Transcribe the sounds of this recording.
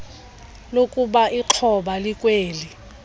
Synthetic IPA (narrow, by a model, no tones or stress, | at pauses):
lokʼuɓaiǃʰɔɓalikʼweːli